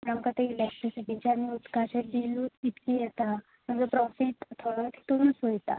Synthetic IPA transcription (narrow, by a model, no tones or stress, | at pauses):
namkat̪eilek̚ʈɾisiʈiɲt͡ɕanːiut̪kaɕed̪iluːt̪it̪kijɛt̪a | mənd͡zəpɾɔfiʈt̪ʰoɽət̪ʰi̥t̪oɾuːnsojt̪a̰